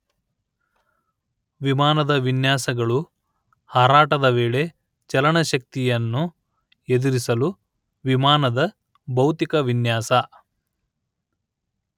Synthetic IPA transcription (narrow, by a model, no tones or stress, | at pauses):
ʋimaːnɐd̪ɐʋinjaːsɐɡɐɭu | haːɾaːʈɐd̪ɐʋeːɭe̞ | t͡ʃɐlɐɳɐʃɐk̚t̪ijɐnːu | ed̪iɾisɐlu | ʋimaːnɐd̪ɐ | bɐwt̪ikɐʋinjaːsɐ